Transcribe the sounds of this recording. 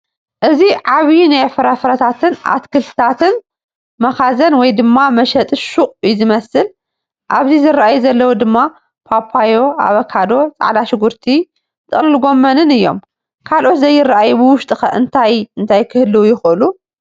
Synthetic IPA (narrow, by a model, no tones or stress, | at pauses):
ʔɨziʕaβinajfɨɾɐfɾɐt̪ʰat̪ʰɨnʔa̰t̪kʰɨlɨ̥t̪ʰat̪ʰɨn | mɐxazɐnwɔjd̪ɨmːamɐʃɐt̪ʼɨʃuχʼjɪzɨmɐsɨl | ʔaβzizɨrːaʔajuzɐlːɐwud̪ɨmːa | pʰapʰajo̞a̰βɐkʰad̪o̞t͡sʼa̰ʕlaʃɪɡuɾt̪ʰi | t̪ʼɨχʼlɨlɡo̞mːɐnɨnɨjːo̞̰m | kʰalʔo̞t̪zɐjːɪraʔajubɨwʊʃt̪ʼɨxɐʔɨnt̪ʰajɨnt̪ʰajkʰɨhɨlːɨwujɪxɨʔɨlu